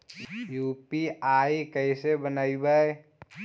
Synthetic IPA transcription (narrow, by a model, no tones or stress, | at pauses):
juːpiaːikəɪsebənaːibəe